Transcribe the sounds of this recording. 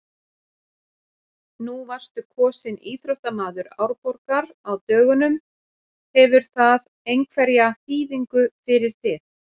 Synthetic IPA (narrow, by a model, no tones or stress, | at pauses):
nuvar̥st̪ʏkʰɔːsɪniːθɾœwht̪amaːðʏɾa̰ːwɾpɔɾkaɾ | awt̪œːɣʏnʏm | hɛvʏɾ̥θað | ejŋkʰvɛɾjaθiːðiŋkʏfɪɾɪɾ̥θɪθ